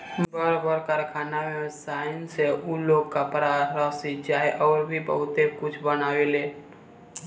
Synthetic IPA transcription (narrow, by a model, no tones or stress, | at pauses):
bəɾbəɾkəɾkʰaːnamesaːɪnseuloɡ̚kapɾaɾəsid͡ʒaːeʔɔːɾbʱibə̰ɦʊt̪ekʊt͡ʃʰbənaːweleː